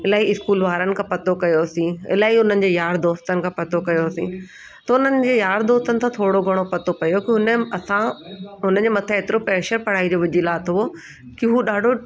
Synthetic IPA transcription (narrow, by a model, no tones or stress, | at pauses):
ɪlaːɦiɪskuːlʋaːɾənɪ̆kʰãːpɐt̪okɐjosĩɪ̰laːɦiʊn̤ənɪ̆d͡ʑeːjaːɾd̪oːst̪ənɪ̆kʰãːpɐt̪okɐjoasḭ̃ | t̪ɐʊnənɪ̆d͡ʑeːjaːɾd̪oːst̪ənɪt̪ʰãːt̪ʰoːɽoɡʱɐɽ̃opɐt̪opɐjokiʊnəɐsãɦʊnə̆d͡ʑemɐt̪ʰãɦeːt̪ɪɾopɾɛːʃəɾpɐɽ̤aːid͡ʑoːʋɐd͡ʑilaːt̪ʰoʋo | kiɦuːɗaːɖʱo